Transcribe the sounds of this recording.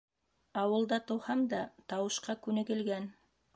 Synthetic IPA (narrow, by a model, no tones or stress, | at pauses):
ɑwɤ̆lˠd̪ɑt̪ŏwhɑmd̪ɑt̪ɑwɤ̆ʃqɑkʉnɘ̆ɡɘ̆lɡæn